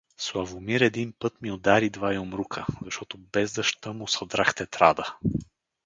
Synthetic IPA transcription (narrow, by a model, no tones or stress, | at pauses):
slˠavʊmiɾɛd̪inpɤt̪miod̪aɾid̪vaiʊmɾukʰəzɐʃt̪ɔt̪ʊbɛzd̪ɐʃt̪əmʊsɐd̪ɾaxt̪ɛt̪ɾad̪ə